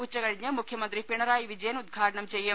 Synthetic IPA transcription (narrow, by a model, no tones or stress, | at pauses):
ut͡ɕːɐkɐɽiɲːɐmukʰjɐmɐnt̪ɾipiɳɐɾaːjiʋid͡ʑɐjɐnud̪̚ɡʱaːʈɐɳɐmt͡ɕɛjːɐ